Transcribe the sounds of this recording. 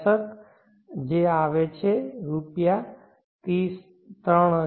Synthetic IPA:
sət̪ | d͡ʒeaʋet͡ʃʰeɾupja | t̪iːs | t̪ɾəɳ̃ə

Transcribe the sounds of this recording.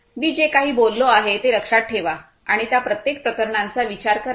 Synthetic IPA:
miːd͡ʑekaɦiːbolːoaɦet̪eləkʂaʈ̚ʈʰeʋa | aɽ̃it̪japɾət̪jek̚pɾəkəɾɳãnt͡saʋit͡ɕaɾkəɾ

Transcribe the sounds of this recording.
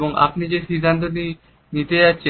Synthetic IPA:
bɔŋɡa̰pnid͡ʑesid̪ʱãnt̪əni | nit̪ejat͡ɕe

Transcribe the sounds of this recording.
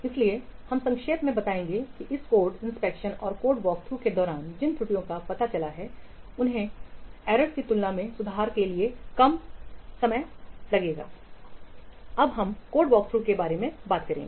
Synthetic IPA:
ɪsliehɐ̃msɐ̃ŋkʃeːt̪mẽbɐt̪aːẽːŋɡekiʔɪskoːɾɖɪ̃nspɛːkʃənɔːɾkoːɾɖʋɔːk̚t̪ʰɾuked̪ɔːɾaːnd͡ʒɪnt̪ʰɾʊʈijõkapɐt̪at͡ʃɐlaɦɛʊnɦẽɛːɾəɖkit̪ʊlnamẽsʊd̪ʱaaːɾkeliekɐmsɐməjlɐɡeːɡa̰ː | ɐbɦɐmkoːɾɖʋɔːk̚t̪ʰɾuːkebaːɾemẽbaːt̪kɐɾḛ̃ːŋɡeː

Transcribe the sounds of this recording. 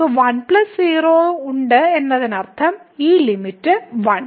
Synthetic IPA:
oʋɐnplɐssiːroːuɳɖɨenːɐðinɐrt̪ʰɐmiːlimitːɨʋɐɳ

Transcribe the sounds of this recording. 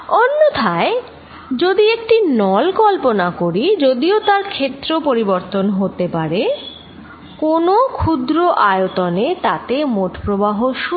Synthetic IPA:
onːot̪ʰae | d͡ʑod̪iek̚ʈinɔlkɔlponakoɾid͡ʑod̪iot̪aɾkʰet̪ːɾopoɾiboɾt̪onɦot̪epaɾe | konokʰud̪ɾoʔajot̪onet̪at̪emoʈpɾobaɦoʃu

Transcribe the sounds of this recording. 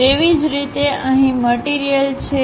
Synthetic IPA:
eʋid͡ʒɾit̪eəɦĩməʈiɾijəlt͡ʃʰe

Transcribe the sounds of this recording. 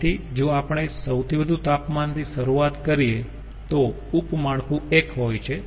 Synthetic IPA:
t̪ʰid͡ʒoapəɳ̃esəwt̪ʰibəd̪ʱũt̪apmant̪iʃəɾuat̪kəɾie | t̪o | upmaɭkũekɦojt͡ʃʰe

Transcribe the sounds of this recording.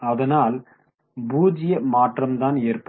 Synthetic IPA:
ɐðɐnaːl | buːd͡ʒɪjɐmaːʈrɐmt̪aːneːrpɐ

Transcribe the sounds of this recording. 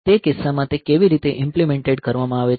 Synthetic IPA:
t̪ekɪsːamãt̪ekeʋiɾit̪eʔɪmplimẽɳʈeɖkəɾʋamãaʋe

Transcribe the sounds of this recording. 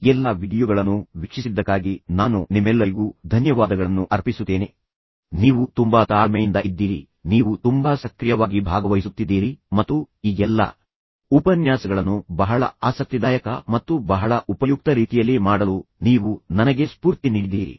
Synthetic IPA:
ɛlːɐʋiɽijɔɡɐɭɐnːuʋikʂisid̪ːɐkːaːɡinaːnunimɛlːɐɾiɡuːd̪ʱɐnjɐʋaːd̪ɐɡɐɭɐnːuʔɐɾpisut̪ːeːne | niːʋut̪umbɐt̪aːɭmɛjind̪ɐʔid̪ːiːɾḭ | niːʋut̪umbɐsɐkɾijɐʋaːɡibʱaːɡɐʋɐjisut̪ːid̪ːiːɾimɐt̪ːu | iːɡɛlːɐ̰ | upɐnjaːsɐɡɐɭɐnːubɐɦɐɭɐ̰aːsɐk̚t̪ɐd̪aːjɐkɐmɐt̪ːubɐɦɐɭɐʔupɐjuk̚t̪ɐɾiːt̪ijɐlːimaːɽɐluniːʋunɐnɐɡe̞spuːɾt̪iniːɽid̪iːɾḭ

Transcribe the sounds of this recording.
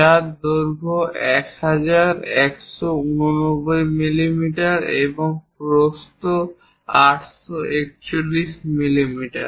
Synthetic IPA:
ad̪oɾbʱoɛkhad͡ʑaɾɛkʃounonobojmilimiʈaɾḛboŋpɾost̪o | aʈʃɔʔek̚t͡ɕolːiʃmilimiʈa̰ɾ

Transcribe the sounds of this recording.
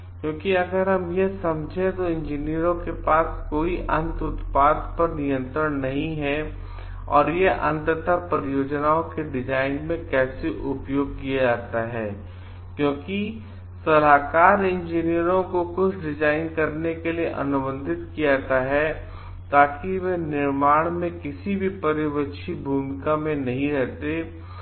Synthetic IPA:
kjõːkiɐɡəɾɦɐmjesɐmd͡ʒʱẽt̪oɪ̃ɲd͡ʒiːnijəɾõkepaːskoːiʔɐ̃nt̪ʊt̪paːd̪pɐɾnijə̃nt̪ɾəɽnɐɦĩɦɛ | ɔ̰ːɾjeʔɐ̃nt̪t̪əɾpɾjoːd͡ʒnaõkeɖɪd͡ʒaːɪnmẽkɛːseʔʊpjoːɡ̚kijad͡ʒaːt̪aɦɛː | kjõːki | sɐlaːkaːɾɪ̃nd͡ʒinijəɾõkokʊt͡ʃʰɖɪd͡ʒaːɪnkɐɾnekelieʔɐ̰nʊbə̃nd̪ʱɪt̪kijaːt̪aɦɛ | t̪aːkiʋɛnɪɾmaːɽ̃mẽkɪsibʱipɐɾɪʋəʃʰibʱuːmɪkamẽnɐɦĩɾɛɦt̪e

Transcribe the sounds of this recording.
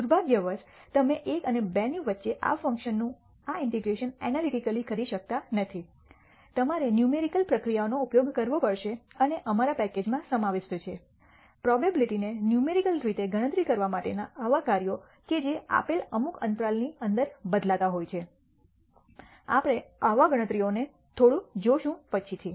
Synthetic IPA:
d̪uɾbʱaɡjəʋəɾst̪əmeʔekənebɛniʋət̪ːʃeʔa̰fə̃ŋkʃənːũ | aɪɳʈeɡɾeʃənɛnaliʈikəlikəɾiʃək̚t̪anət̪ʰi | t̪əmaɾenjumeɾikəlpɾəkɾijaonoupjoɡkəɾʋopəɽʃeəneʔəmaɾapɛked͡ʒmãsəmaʋeʃtət͡ʃʰe | pɾɔbabiliʈinenjumeɾikəlɾit̪eɡʱəɽ̃ə̃t̪ɾikəɾʋamaʈḛnaːʋakaɾijo | ked͡ʒea̰peləmukə̰̃nt̪ɾalniənd̪əɾbəd̪lat̪aɦojt͡ʃʰe | a̰pɽ̃eaʋaɡəɽ̃ət̪ɾione | t̪ʰoɽũd͡ʒoʃũpət͡ʃʰit̪ʰi

